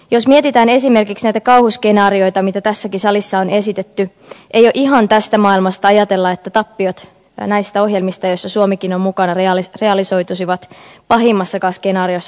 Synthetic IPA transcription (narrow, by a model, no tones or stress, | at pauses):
jo̞smie̞t̪it̪æːne̞sime̞rkiksnæjt̪ækɑwhuskenɑːɾio̞jt̪ɑmit̪æt̪æsːækisɑlisːɑone̞sit̪et̪ːy | ʔejoʔiɦɑnt̪æst̪æmɑːilmɑst̪ɑɑjɑt̪e̞lːɑe̞t̪ːæt̪ɑpːiot̪ | næjst̪æo̞ɦjelmist̪ɑjosːɑsuomikinommukɑnɑreɑlreɑliso̞jt̪usiʋɑt̪pɑɦimːɑsːɑkɑːskenɑːɾiosːɑ